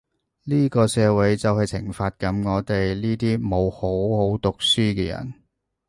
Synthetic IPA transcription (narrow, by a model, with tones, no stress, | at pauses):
liː˥kɔː˧sɛː˧wɐ˨˥jt͡sɐ˨whɐ˨jt͡sʰɪ̰˨˩ŋfaː˧t̚kɐ˨˥mŋɔː˨˧t̪e˨jliː˥t̪iː˥mo˨˧who˨˥who˨˥wt̪ʊ˨k̚syː˥kɛː˧jɐ̰˨˩n